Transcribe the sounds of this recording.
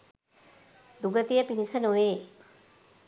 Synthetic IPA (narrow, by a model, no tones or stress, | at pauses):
d̪uɡət̪ijəpinisənoʋeː